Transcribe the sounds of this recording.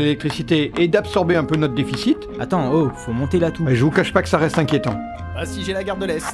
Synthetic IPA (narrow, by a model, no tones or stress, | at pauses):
lelɛk̚t̪χisit̪eːd̪apsɔʁbeɛ̃pønɔt̪χd̪efisit̪ | a̰t̪ɑ̃ofomɔ̃t̪elat̪ueʒəvukaʃpakə̥saʁɛst̪ɛ̃kʲjet̪ɑ̰̃ | asiʒɛlaɡaʁd̪əlɛst̪